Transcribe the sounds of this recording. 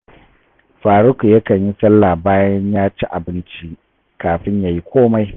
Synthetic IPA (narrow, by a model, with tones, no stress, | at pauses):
ɸaː˨ɾʊ˦ku˨jɐ˦kɐ˨ɲji˦sɐ˦lːaː˨baː˦jɛ˦ɲjaː˦t͡ʃi˦ʔa˨bɪ˦nt͡ʃi˦ | kaː˨ɸɪ˦ɲjaː˨ji˦kʷoː˦ma˦j